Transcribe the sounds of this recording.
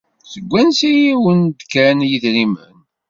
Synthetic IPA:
səɡʷːænsijiwənd̪kænjiðɾimən

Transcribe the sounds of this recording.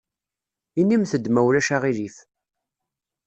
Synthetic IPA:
inːimθəd̪mæwlæʃaʁilif

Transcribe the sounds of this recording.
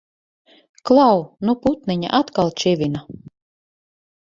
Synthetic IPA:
klˠawnuput̪nɛɲa̰ʔat̪kalˠt͡ʃɛvʲina

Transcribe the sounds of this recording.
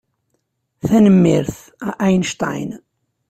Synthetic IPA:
θænəmːɪɾθ | aʔæjnʃt̪a̰jn

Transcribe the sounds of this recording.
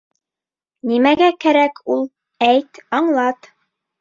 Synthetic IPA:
nimæɡækæɾækʰulˠ | æjt̪ɑɴlˠɑt̪

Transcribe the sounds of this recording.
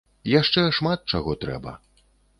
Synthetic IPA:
jaʂt͡ʂɛʂmat̪̚t͡ʂaɣɔt̪ɾɛ̰bɐ̰

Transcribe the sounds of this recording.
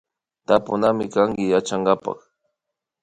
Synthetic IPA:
t̪apʊnamɪkaŋɡɪjat͡ʃaŋɡapa̰χ

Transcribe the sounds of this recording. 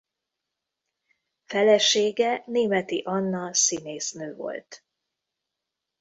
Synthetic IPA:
fɛlɛʃeːɡɛneːmɛt̪iʔɒnːɒsineːsnøːvo̞̰lt̪

